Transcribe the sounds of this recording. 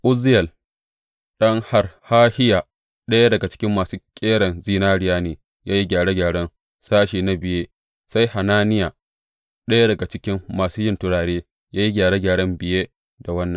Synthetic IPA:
ʔʊ˦zɪ˦jɐ˨l | ɗɐ˦ŋha˦rhaː˦hɪ˦jaː˨ | ɗɐ˦ja˦dɐ˨ɡa˨t͡ʃɪ̥˦kʲɪ˦mːaː˨suː˦kʲʼeː˦ɽɐ˨nziː˦naː˦ɽɪ˦jaː˦neː˨ | jaː˦ji˦ɡʲaː˨ɽe˦ɡʲaː˨ɽɐ˦n | saː˦ʃiː˨na˦bɪ˨jeː˦ | sa˦jha˨naː˦nɪ˦jaː˨ | ɗɐ˦ja˦dɐ˨ɡa˨t͡ʃɪ˦kʲɪ˦mːaː˨suː˦jɪ˦˨ntʊ˦ɽaː˨ɽeː˦ | jaː˦ji˦ɡʲaː˨ɽe˦ɡʲaː˨ɽɐ˦mbɪ˨jeː˦ | da˨wɐ˦nːɐ˨

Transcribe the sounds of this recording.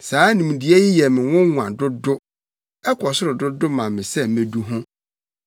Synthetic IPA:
saː˨˦nĩ˨mũ˨di˨ɛ˦jɪ˦jɛ˨mɪ̃˨wʊ̃˦ŋʷ˨ã˨dʊ˦dʊ˦ | ɛ˦kʰɔ˨sʊ˦ɾʊ˨dʊ˦dʊ˦mã˨mɪ̃˨sɛ˦m̩mẽ˨du˦ɦʊ̃˦

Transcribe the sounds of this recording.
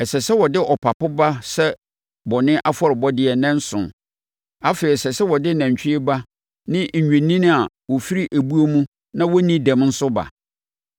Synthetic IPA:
ɛ˨sɛ˨sɛ˦wɔ˨dɪ˦ʔɔ˨pʰa˨pʊ˦ba˦sɛ˦ | bɔ˨nɪ̃˦ʔa˦fɔ˦ɾɪ˨bɔ˦dɪ˦ɛ˨nɛ̃˦n̩˦sʊ̰̃˨n | a˦feː˨ɾi˨sɛ˨sɛ˦wɔ˨dɪ˦nã˨ɲ̩˨t͡ɕᶣɪ˦ɪ˦ba˦ | nɪ̃˦ɲ̩˨ɲᶣɛ̃˨nĩ˦nɪ̃˦a˨ | wɔ˨fi˦ɾi˦ʔæ˨bu˦o˦mũ˦ | nã˦wɔ˦nĩ˦dæ̃˨mn̩˦sʊ˦ba̰˨

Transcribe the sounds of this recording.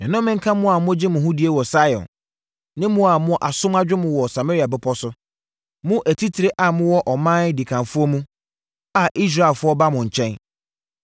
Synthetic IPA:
ɛ̃˨nʊ̃˦mɪ̃˦ŋ̩˦kʰã˦mʊ̃˦a˨mʊ̃˦d͡ʑɪ˦mʊ̃˨ɦʊ̃˦di˨e˦wɔ˨sa˦jɔ̰̃˨n | nɪ̃˦mʊ̃˦a˨mʊ̃˦ʔa˨sʊ̃˦ma˦d͡ʑᶣɪ˦mʊ̃˨wɔ˨sa˨ma˦ɾi˦a˨bɪ˦pʰɔ˦sʊ˦ | mʊ̃˦ʔæ˨tʰi˦tʰi˨ɾe˦ʔa˨mʊ̃˦wɔ˦ʔɔ˨mã˦di˨kʰã˨fʊ˦ɔ˦mũ˦ | a˨ʔi˦s̬ɾa˦˨e˨lfʊ˦ɔ˦ba˦mʊ̃˨ɲ̩˨t͡ɕʰɛ̃˦n

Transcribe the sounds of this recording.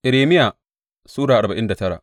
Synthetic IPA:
ʔɪ˨ɾeː˨mɪ˦ja˨ | suː˦ɽaː˨ʔa˨ɾba˨ʔɪ˦nda˨tɐ˦ɽa̰˨ʔ

